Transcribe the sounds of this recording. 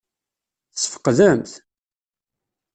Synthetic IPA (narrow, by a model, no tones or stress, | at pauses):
θəsːəfə̥qːðæmθ